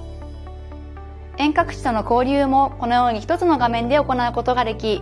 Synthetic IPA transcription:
ẽ̞ŋkakɯ̟̥t͡ɕi̥t̪o̞no̞ko̞ːɾʲɯːmo̞ko̞no̞jo̞ːɲ̟içi̥t̪o̞t͡sɨno̞ɡamẽ̞nd̪e̞o̞ko̞naɯ̟ko̞t̪o̞ɡad̪e̞kʲi

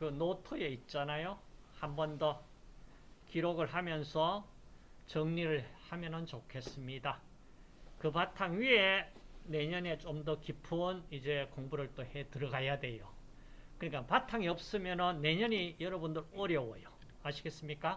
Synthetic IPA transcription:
kɯnotʰojeit̚t͡ɕ͈anajohambʌndʌ | kiɾoɡɯɭɦamjʌnsʰʌ | t͡ɕʌŋɲiɾɯɭhamjʌnɯnt͡ɕokʰe̞s͈ɯmɲida | kɯpatʰaŋɥiene̞ɲʌne̞t͡ɕomdʌkipʰunid͡ʑe̞koŋbuɾɯɭt͈ohe̞tɯɾʌɡajadwe̞jo | kɯɲik͈apatʰaŋiʌp̚s͈ɯmjʌnɯnːe̞ɲʌɲijʌɾʌbundɯɾʌɾjʌwojo | aɕʰiɡe̞s͈ɯmɲik͈a

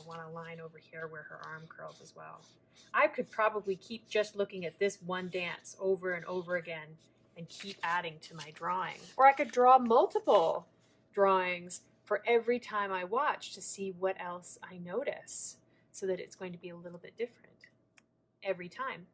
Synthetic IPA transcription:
wɑ̃ñəlãɪ̃noʊvə˞hiɹwə˞ə̰˞ʔɑɹmkʰo˞lˠzɨzwɛ̰lˠ | ʔaɪkʰɨd̚pʰɹ̥ɑbəblikʰip̚d̥ʒ̥ʌstˡlʊkɪ̃ŋɨt̪̚ðɪswʌ̃ndæ̃nsoʊvə˞ɨ̃nʔo̰ʊvə˞ɨɡɛ̃n | ɨ̃nkʰipæɾɪ̃ŋtʰɨmaɪdɹɔɪ̰̃ŋə˞aɪkɨdɹɔmʌlˠtəpl̩ˠ | dɹɔɪ̃ŋz̥ | fə˞ʔɛvɹitʰãɪ̃maɪwɑt͡ʃtʰɨsiwʌɾʔɛlˠsaɪnoʊɾɨ̰s | soʊðɨɾɨ̰tsɡ̥oʊɪ̃ŋtʰɨbiəlɪɾl̩ˠbɪt̚d̥ɪfɹɨ̰̃nt | ʔɛvɹitʰãɪ̃m

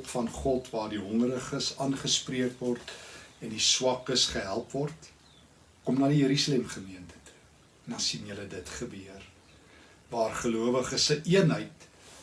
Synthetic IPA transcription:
pfɐnχɔtvɑːrdiɦɔŋɾəχəsɑːnχəspriəkvɔrtɛndiswɐkəsχəɦælˠpvɔrt | kɔmnɑːdijəɾysɑlɛmχəmiəntə̥tu̥ | ndɐnsinjələdətχəbiər | vɑːrχəluəvəχəsəʔiənɦəjt

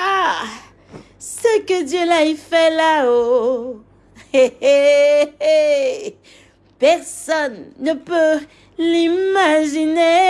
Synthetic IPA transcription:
a | səkədjølaifɛlao | e | pɛʁsɔnːəpə | limaʒine

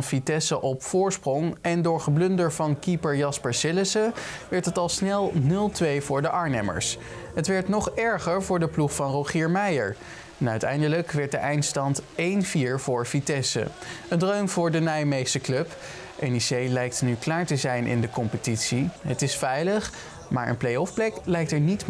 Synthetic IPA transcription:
nfitɛsəʔɔpfʊːɹsprɔŋɛndʊːɹχəblɵndəɹvɑnkipəɹjɑspəɹsɪləsəʋɛɹtətɑlˠsnɛlˠnɵlˠtʋejvʊːɹdəʔɑɹnɛmə̰ɹs | ɦətʋɛɹtnɔχɛɹχəɹvʊːɹdəpluχfɑnrowχiːɹmɛjəɹ | ɛnœɥtɛ̰jndələkʋɛɹt̚dəʔɛjntstɑntejnviːɹvʊːɹvitɛsə̰əndroɥmvʊːɹdənajmejstəklɵp | ʔɛnisejlɛjk̚tnyklaːɹtəzɛjnʔɪ̰ndəkɔmpətitsiɦətɪsfɛjləχ | maːɹʔə̰nplejɔfplɛklɛjk̚təɹnit

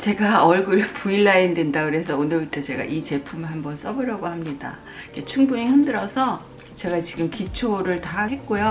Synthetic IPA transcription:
t͡ɕe̞ɡaʌɭɡuɾpuiɭːaindwe̞ndakɯɾe̞s̬ʰʌonɯɭbutʰʌt͡ɕe̞ɡa̰ʔit͡ɕe̞pʰumɯɭɦambʌns͈ʌbɯɾjʌɡohamɲida̰ | iket͡ɕʰuŋbuɲihɯmdɯɾʌsʰʌ | t͡ɕe̞ɡat͡ɕiɡɯmkit͡ɕʰoɾɯɭtaɦe̞t̚k͈ojo

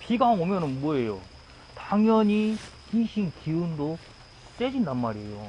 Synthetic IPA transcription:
piɡaŋomjʌnɯnmwʌe̞jo | taŋjʌɲikiɕʰinkiundo | t͡ɕ͈ed͡ʑindanmaɾiḛjo̰

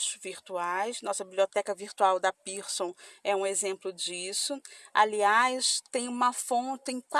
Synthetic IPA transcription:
sviɾt̪uajsnɔsɐbibliot̪ɛkɐviɾt̪uawd̪ɐpiɾsõw̃ɛũezẽmplʊd͡ʒisʊa̰liajst̪ẽj̃ũmɐfõt͡ʃɪẽj̃kwa

